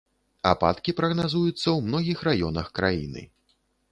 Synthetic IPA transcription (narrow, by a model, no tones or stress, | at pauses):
a̰pa̰t̪kʲipɾɐɣnazujut̪sːɐwmnɔɣʲixrajɔnɐxkɾajḭnɨ̰